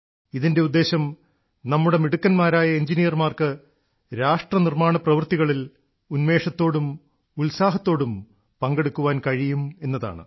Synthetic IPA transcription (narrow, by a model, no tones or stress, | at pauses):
iðinde̞ud̪ːe̞ːɕɐm | nɐmːuɽe̞miɽukːɐnmaːɾaːjɐeɲd͡ʑinijɐrmaːrkɨ | ɾaːʂʈrɐnirmaːɳɐprɐʋɨrt̪iɣɐɭil | unme̞ːʂɐt̪ːo̞ːɽum | ulsaːɦɐt̪ːo̞ːɽum | pɐŋɡe̞ɽukːuʋaːnkɐɻijume̞nːɐða̰ːɳɨ̰